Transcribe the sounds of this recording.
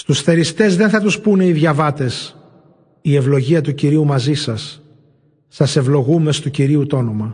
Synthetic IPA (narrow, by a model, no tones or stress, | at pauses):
st̪usθe̞ɾist̪e̞zðe̞nθɐt̪uspune̞iðʝɐvɐt̪e̞s | ie̞vlo̞ʝiɐt̪uciɾiumɐzisɐsː | ɐse̞vlo̞ɣume̞st̪uciɾiut̪o̞no̞mɐ